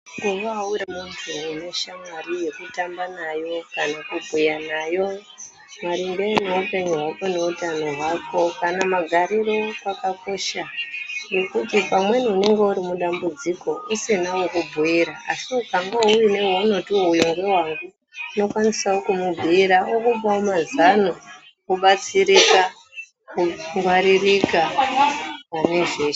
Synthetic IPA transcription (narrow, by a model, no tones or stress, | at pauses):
ɡuʋaːwuɾamuntʰuːne̞ʃamarije̞kutambanajo̞kanakubʱujanajo̞ | maɾimbeːne̞upe̞ɲuɦwakone̞utano̞ɦwako̞kanamaɡʱaɾiro̞pakako̞ʃane̞kutipamwe̞niune̞ŋɡe̞uɾimuɗambud͡ziko̞usenaokubʱuiɾaasiukaŋɡauwine̞wonotuujuŋɡe̞ɦwaŋɡuː | no̞kwanisaokumubʱuiɾaokupaomazanu | kuɓat͡siɾika | kuŋɡwaɾirika | ane̞ʐeː